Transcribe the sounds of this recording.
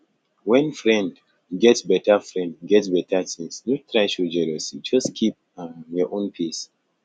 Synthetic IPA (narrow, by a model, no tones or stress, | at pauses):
wɛ̃nfɹɛ̃nd | ɡɛtsbɛtafɹɛ̃ndɡɛtsbɛtatĩŋsnutɹaɪʃud͡ʒɛlɔsid͡ʒɔskʰip̚ | jɔʔõnpʰis